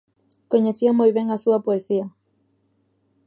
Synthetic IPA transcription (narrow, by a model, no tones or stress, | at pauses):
koɲeθiɐmojβeŋasuɐpoesiɐ